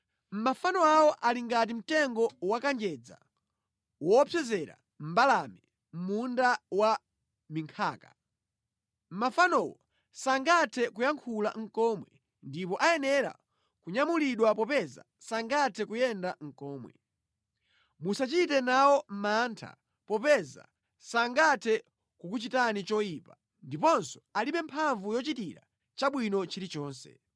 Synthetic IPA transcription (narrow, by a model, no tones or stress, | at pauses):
m̩mafanɔawɔʔaliŋɡat̬im̩tɛŋɡɔwakand͡ʒɛd͡za̰ | wɔpʰjɛzɛɾa̰ | m̩balamɛ | m̩mundawa | miŋkʰaːka | m̩mafanɔwɔ | saŋɡatʰɛkujaŋkʰula̰ŋ̩kɔmwɛ | ndipɔʔajɛnɛɾa̰ | kuɲamuliɗwapɔpɛza̰ | saŋɡatʰɛkujɛndaŋ̩kɔːmwɛ̰ | musat͡ʃitɛnawɔm̩mantʰa̰ | pɔpɛza̰ | saŋɡatʰɛ | kukut͡ʃitanit͡ʃɔipa | ndip̬ɔnsɔ̥aliɓɛmpʰaɱvujɔt͡ʃitiɾa̰ | t͡ʃaɓwinɔt͡ʃiɾit͡ʃɔːnsɛ̰